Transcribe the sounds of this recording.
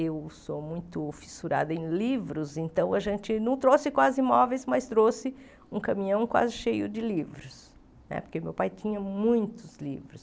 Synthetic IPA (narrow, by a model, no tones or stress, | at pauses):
ewsomũj̃t̪ʊfi̥suɾa̰d̪ɐẽlivɾʊzẽnt̪ɐ̃w̃ɐʒẽnt͡ʃɪnɐ̃w̃t̪ɾosɪkwazɪimɔvejsmɐst̪ɾosɪ | ũkɐmĩɲɐ̃w̃kwa̰zɪʃejʊd͡ʒɪlivɾʊs | nɛ̰poɾkemewpajt͡ʃ̪ĩɲɐmũj̃t̪ʊzlḭvɾʊs